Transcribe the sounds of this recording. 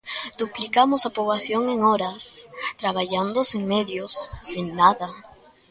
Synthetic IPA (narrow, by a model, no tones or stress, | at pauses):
d̪̥uplikamosapɾoβlaθjoŋeŋɔɾast̪ɾaβaʎand̪oseŋmeðjosːeŋnaða